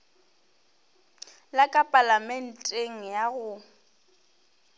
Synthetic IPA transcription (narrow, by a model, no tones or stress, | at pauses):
lakʼapʼalamɛn̩tʼeŋ̩jaɣʊ